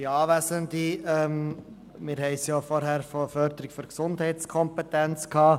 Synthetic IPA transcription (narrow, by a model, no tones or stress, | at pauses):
iɑːʋæsənd̪iɛm | mɪːɾɦɛɪsjoːfɔɾɦæɾfofœɾd̪əɾɪkfyɾksʊnd̥̪hɛɪtt͡skʰɔmpɛt̪ænt͡skʰɑː